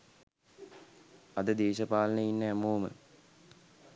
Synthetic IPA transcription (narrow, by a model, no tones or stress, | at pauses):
ɐd̪əd̪eːʃəpaːlənəinːəæmoːmə̰